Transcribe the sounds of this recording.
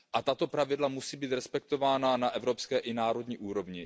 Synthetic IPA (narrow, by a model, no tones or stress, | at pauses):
ʔat̪at̪o̞pɾavɪdlamusiːbiːt̪ɾɛspɛkt̪o̞vaːnanaʔɛvɾopskɛːʔɪnaːɾo̞dɲiːʔuːɾo̞vɲɪ